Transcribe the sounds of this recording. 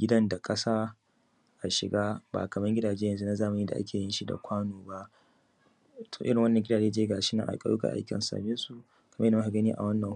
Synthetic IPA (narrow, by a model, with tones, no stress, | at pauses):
ɡʲɪ˦dɐ˦nda˨kʼɐ˦saː˦ | ʔa˨ʃɪ˨ɡaː˦ba̰ː˨kɐ˨mɐ˦ŋɡʲɪ˦daː˨d͡ʒeː˦jɐ˨nzu˦na˦zaː˦ma˨niː˦da̰˨ʔa̰˦kʲʰeː˨jɪ˦nʃi˦da̰˨kʷaː˦noː˨ba˦ʔ | tʰoː˨ʔɪ˦ɪ˨ŋwɐ˦nːɐ˨ŋɡʲɪ˦daː˨d͡ʒeː˦d͡ʒeː˦ɡaː˨ʃɪ˦na̰˨ʔa̰˨kʼɐ̰˦˨ju˦ka̰˨ʔa̰˦kʲɪ̰˨sa̰ː˨bɪ˦nsu˨ | kʰɐ˨mɐ˦jnː˨˦a˨ɡɐ˦niː˦ʔa̰˨wɐ˦nːɐ˨ŋ